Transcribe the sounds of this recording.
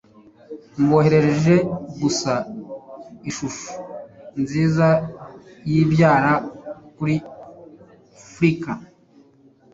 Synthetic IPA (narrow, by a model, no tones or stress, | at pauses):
ŋɡo̞ːhe̞ɾe̞ɾe̞ʒe̞ɡusa | iʃuʃu̥nziːzajibjaːɾakuɾi | afɾika